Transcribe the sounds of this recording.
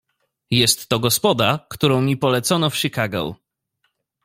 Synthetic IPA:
jɛst̪ːɔɡɔspɔd̪akt̪uɾɔ̃w̃mʲipɔlɛt̪sɔnɔfʂikaɡɔ̰w

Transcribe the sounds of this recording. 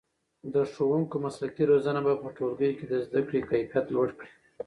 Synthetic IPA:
d̪əʂowuŋkomaslakiɾozanabapəʈolɡəjoked̪əzd̪akɽikajfjat̪lwaɽkɽi

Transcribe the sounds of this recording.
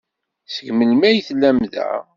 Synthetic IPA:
θəɡməlmæjθlːæmðæ̰

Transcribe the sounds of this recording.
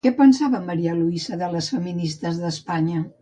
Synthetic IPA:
kɛpənsaβəməɾiəluisəðələsfəminist̪əzðəspaɲə

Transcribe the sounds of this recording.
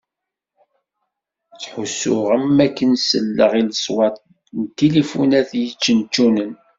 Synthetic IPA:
t͡sːħusːʊʁəmːækːənsə̰lːəʁiləsˤwɑt̪ˤ | nt̪ːelifunæθjət͡ʃːənt͡ʃːunən

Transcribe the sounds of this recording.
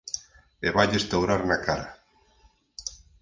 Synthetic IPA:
eβaʎest̪awɾaɾnakaɾa

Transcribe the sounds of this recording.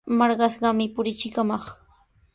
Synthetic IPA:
mɑɾɢɑsɢɑmɪpʊɾɪt͡ʃɪkamɑχ

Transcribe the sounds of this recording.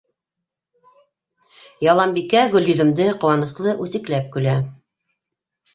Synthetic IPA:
jɑlˠɑmbikæɡɵ̆ljɵ̆ðɵ̆md̪ɘqŏwɑnɤ̆slˠɤʔʉsɘ̆klæp̚kɵ̆læ

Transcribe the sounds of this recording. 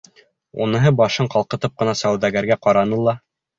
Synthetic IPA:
unɤ̆ɦɤbɑʃɤɴqɑlˠqɤ̆t̪ɤp̚qɤ̆nɑsæwðæɡæɾɡæqɑɾɑnɤlˠɑ

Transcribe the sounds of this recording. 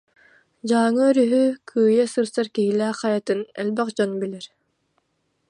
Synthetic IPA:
d͡ʑaːŋɯœɾyɦykʰyːjɛsɯɾsaɾkiɦilæːqɑjat̪ɯnɛ̰lbɛqd͡ʑɔnbilɛɾ

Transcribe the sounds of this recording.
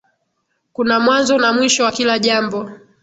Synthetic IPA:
kunamwanzɔnamwiʃɔwakilaʄambɔ

